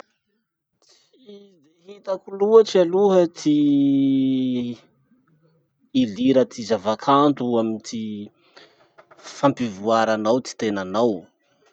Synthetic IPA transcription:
t͡s | i | d̪eɦit̪əkuluəʈ͡ʂialuɦət̪i | liɾət̪izavakʰant̪uamint̪i | fampivuaɾanawt̪i̥t̪enanaw

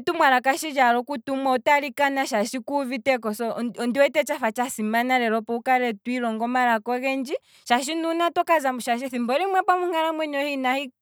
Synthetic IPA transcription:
tumwaɾakaʃid͡ʒaɾɔkutumwautaɾikanaʃaʃikuvitɛkɔsɔɔndiwɛtɛt͡ʃafat͡ʃasimanaɾɛɾɔpɔukaɾɛtwiɾɔŋɡɔmaɾakɔɣɛnd͡ʒi | ʃaʃ̬inunatɔkazamuʃaʃ̬iθimbɔɾimwɛpamuŋaɾamwɛɲɔhinahi

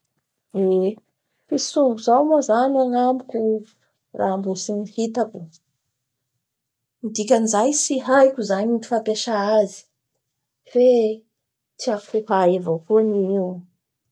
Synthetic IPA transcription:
e | fisuŋɡuzawmazanaŋamikʲu | ra̰mbusinihit̪aku | mid̪ikʲanzajsiɦajkʲuzaɲinifapeʃaazi̥ | fe | t͡siakuhaevokuniiw

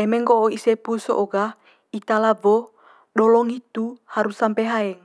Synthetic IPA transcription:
ɛmɛŋɡoʔoisɛpusɔ̰ʔoɡa | it̪alavɔ | ɗɔlɔŋit̪uhaɾusampɛɦaɛŋ

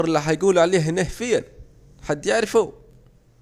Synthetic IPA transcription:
ɾˤlːiħajɡuːlʕaleːɦneːhfɪjːan | ħad̪ːjɪʕɾɪfu

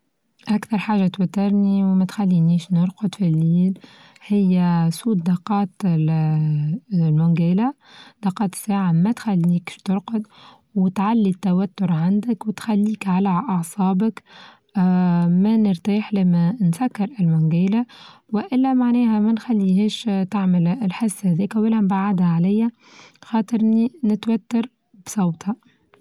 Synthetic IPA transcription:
ʔakθɑɾˤħaːʒat̪wæt̪ːɑɾˤniwmæt̪xælːiniːʃnʊɾˤqʊd̪filːiːl | hɪjːæsuːt̪̚d̪ɑqɑːt̪ | lmʊŋɡæːlæ | d̪ɑqɑːt̪sːaːʕamæt̪xælːiːkʃt̪ʊɾqʊd̪ | wɪt̪ʕalːit̪ːæwæt̪ːʊɾʕand̪ɪkwɪt̪xælːiːkʕalæʔɑʕsˤɑːbəkː | mænɪɾt̪aːħlɪmænsækːɑɾɪlmʊŋɡæːlæ | wɪʔɪlːæmaʕnæːhæmænxælːiɦɛːʃt̪aʕmɪlɪlħɪsːhæðiːkæwɪlːæmbaʕad̪hæʕalæjːæ | xɑːt̪ˤɨɾninɪt̪wæt̪ːɑɾ | bsˤɑwt̪hɑ

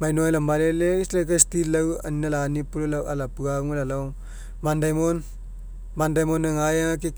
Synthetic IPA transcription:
majnɔjlambaleleslekajstilɐwɐ̰ninɐlanipullawalapɯaŋlalɔw | mandajmɔn | bandajmɔnːɐŋajaŋak̬i

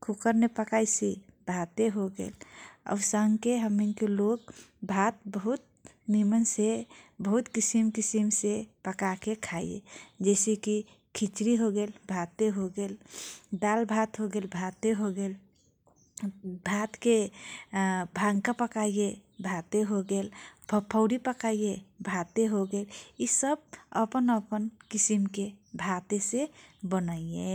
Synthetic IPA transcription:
kʰukəɾnepəkajsibʱat̪eɦoɡḛːlə̰səŋkeɦəminkelokbʱat̪̚bəɦut̪̚ | nimənsebəɦut̪kisimkisimsepəkakekʰaijḛd͡ʒɛseki | kʰit͡ʃɾiɦoɡelbʱat̪eɦoɡeld̪albʱat̪ɦoɡelbʱat̪eɦoɡel | bʱat̪ke | bʱãŋkapəkajjebʱat̪eɦoɡelpʰpʰəʊɾipəkaijebʱat̪eɦoɡelisəb̚əpənəpənkisimkebʱat̪esebənəie

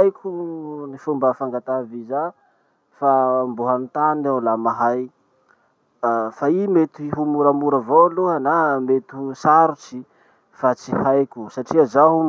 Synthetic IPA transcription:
jkʲʰunifumbəfaŋɡat̪aviza | fambuɦamint̪anawlamaɦaj | faimet̪iɦumuɾamuɾavowluɦanamet̪usaɾut͡si | fat͡sihajkʲusaʈ͡ʂiazaɦu

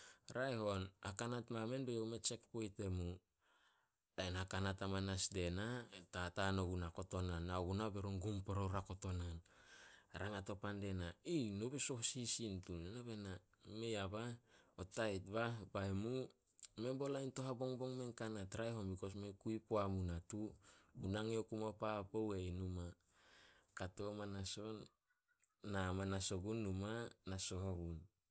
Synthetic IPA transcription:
ɾajɦo̞nhakanatmame̞nbejowmet͡ʃe̞kpojte̞mu | ajnhakanatamanasde̞natatanoɡunako̞to̞nanːaɡunabe̞ɾonɡumpoɾowɾako̞to̞nan | ɾaŋato̞pande̞nainobeso̞hsisintunenaβe̞na | me̞jabaotajt̚babaemu | mebo̞lajnto̞ɦabo̞ŋbo̞ŋme̞ŋkanatɾajɦombiko̞s̬mekuipoamunatuunaŋeokumopapowejnuma | kato̞manaso̞nː | amanaso̞ɡunːumanaso̞ɦoɡun

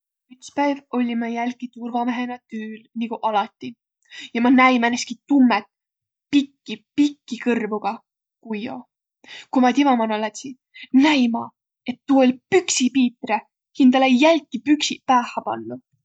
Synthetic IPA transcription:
yt̪spæjvo̞lʲimɑjælʲkit̪urvɑmeɦenɑt̪yːlniɡ̥uʔɑlɑt̪ːˑi | jɑmɑnæjmænːest̪kit̪umːet̪̚ | pikˑːipikːikɤrvuɡ̥ɑ | kujo̰ | kumɑt̪ivɑmɑnɑlɑt̪si | næjmɑ | e̞t̪ːuolʲpyksipiːt̪re | hind̪̥ɑlejælʲkːˑipyksipæːhɑpɑ̰nːu

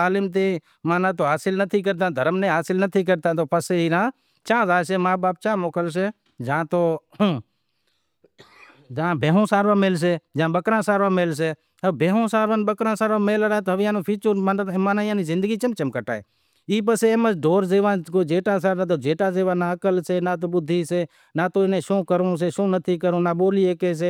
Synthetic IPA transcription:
aːlɪmt̪̬eː | mãːnãːt̪̬oːɦaːsɪlnət̪ʰiːk̬əɾt̪̬ãːd̪ʱəɾəmnẽːɦaːsɪlnət̪ʰiːk̬əɾt̪ãːt̪̬oːpʰəseːiɾãː | t͡ʃãːzaːseːmaːbaːp̚t͡ʃãːmoːkəls̬eː | d͡ʒãːt̪oː | d͡ʒãːbʱeːɦõːsaːɾʋãːmeːls̬eːd͡ʒãːɓəkɾãːsaːɾʋãːmeːls̬eː | əbʱeːɦõːsaːɾʋaːnɓəkɾãːsaːɾãːmeːlɾaːt̪oɦəʋjãːnõːpʰiːt͡ʃəɾmamaːnaːjãːniːzɪ̃nd̪əɡiːt͡ʃəmt͡ʃəmkəʈa̰ːḛː | iːp̬əseeːməsɖoːɾzeːʋãːkoːd͡ʒeːʈãːsaːɾaːt̪oːd͡ʒeːʈãːzeːʋãːnaːəkəlseːnaːt̪̬oːbʊd̪ʱːiːseː | naːt̪oːnẽːʃõːkəɾõːs̬eːʃõːnət̪ʰiːkəɾõːnaːɓoːliːeːkeːs̬eː

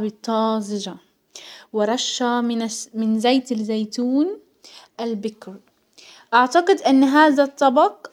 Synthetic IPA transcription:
bɪt̪ˤːɑːzɪd͡ʒa | wɪɾˤɑʃːaɪmɪnzajt̪ɪlzajt̪uːn | ʔalbɪkɾ | ʔaʕt̪aqɪd̪ʔɪnːɦaːðat̪ˤːɑbɑq

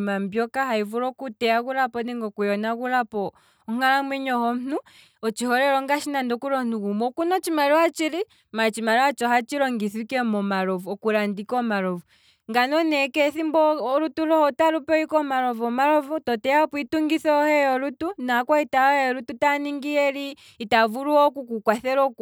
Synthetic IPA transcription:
mambjɔkaɦaivuɾɔkutɛaɣuɾapɔnɛŋɡɔkujɔnaɣuɾapɔ | ɔŋ̥alamwɛɲɔhɔm̩nu | ɔt͡ʃihɔɾɛɾɔŋɡaʃinandɔkuɾɔn̥uɣumɔkunɔt͡ʃimaɾiwat͡ʃiɾi | mat͡ʃimaɾiwat͡ʃɔɦat͡ʃiɾɔŋɡiθikɛmɔmaɾɔvɔkuɾandikɔmaɾɔvu | ŋɡanɔnɛkɛθimbɔɾutulɔhɔtaɾupɛikɔmaɾɔvɔmaɾɔvutɔtɛjapuituŋɡiθɔɔhɛjɔɾutunakwaitahɛɔɾututaniŋɡiɛliː | tavuɾuɔkukukwaθɛɾɔk

